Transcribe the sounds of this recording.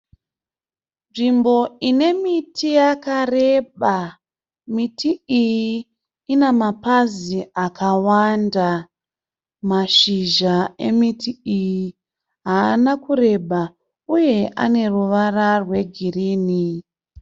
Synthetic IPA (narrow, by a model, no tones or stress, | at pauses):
nʐimbo̞ine̞mitʰijakare̞ɓa | mitʰiijiː | nemapaziakawanda | maʃiʒae̞̰mitʰiiji | ɦaːnakure̞ɓa | uje̞ʔa̰ne̞ruʋararwe̞ɡʱiriːni